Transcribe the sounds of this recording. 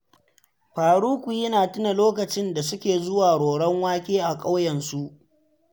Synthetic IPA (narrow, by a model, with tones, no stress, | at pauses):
ɸaː˨ɽuː˦kʷu˨jɪ˦naː˨tʊ˦na˨loː˦kɐ˨t͡ʃɪ˦nda˨sʊ˦kʲeː˨zʊ˦waː˨ɽoː˨ɽɐ˦ŋwaː˦kʲeː˦ʔa˨kʼa˦wjɛ˨nsu˦ʔ